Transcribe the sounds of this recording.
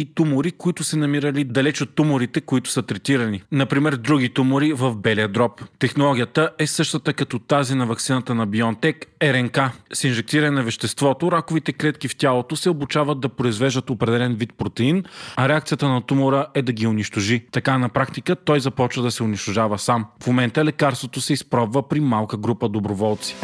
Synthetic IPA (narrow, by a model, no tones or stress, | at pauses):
it̪umʊɾikʊit̪ʊsɛnɐmiɾəlid̪ɐlɛt͡ʃot̪ːumʊɾit̪ɛkoit̪ʊ̥sət̪ɾɛt̪iɾɐninɐpɾimɛɾd̪ɾuɡ̟it̪umʊɾivɐfbɛlijəd̪ɾɔpt̪ɛxnolˠɔɡ̟ʲiət̪əʔɛsɤʃt̪ət̪əkɐt̪ɔt̪azinɐvɐk̚t̪inət̪ənɐbiɔnt̪ɛkɛɾɛŋkasinʒɛk̚t̪iɾɐnɛnɐvɛʃt̪ɛst̪vɔt̪oɾakʊvit̪ɛklɛt̪kift̪ʲalˠot̪osɛobʊt͡ʃavəd̪ːɐpɾoizvɛʒd̪ət̪opɾɛd̪ɛlɛnvit̪̚pɾot̪ɛinɐɾɛakt̪sijət̪ənɐt̪umʊɾəɛd̪ɐɡʲiʊniʃt̪oʒit̪ɐkanɐpɾakt̪ikət̪ɔjzɐpɔt͡ʃvəd̪ɐsɛʊniʃt̪ʊʒavəsamfmomɛnt̪əlɛkaɾst̪vot̪osɛispɾɔbvəpɾimalˠkəɡɾupəd̪obɾovɔlˠt̪si̥